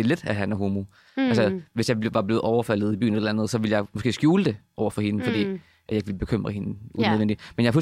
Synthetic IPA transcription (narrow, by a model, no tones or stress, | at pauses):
ele̝d̥æɦænæɐɦo̝ːmu | ʔælsəʋe̝sjɑ̈ɪbʋɑ̈ble̝ːð̩ˠɒʊɐfæl̰ð̩ˠiby̰ːn̩elelænðəð̩ˠsɒ̽ʋiləjɑɪmo̽sɡ̥e̝̰ːsɡ̥juːləd̥e̝ʔɒʊ̰ɐfɒ̽he̝nəfɒd̥ḭː | ʔæ̥jɑ̈ɪɡ̥ʋilb̥e̝kʰøm̰ʁɐhe̝nəuneðˠen̰di̥menjɑ̈f